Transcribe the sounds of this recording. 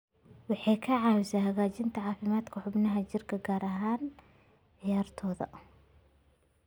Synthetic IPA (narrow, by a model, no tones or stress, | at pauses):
wɑħiːkʰɐʕɑːwsɐhɐɣaːt͡ʃɪnt̪ʰɐʕɑːfɪmaːd̪kʰɐħʊbnɐɦɐt͡ʃɪrkʰɐɡaːɾʔɐɦaːn | ɪjaːrt̪ʰɔːðɐ̰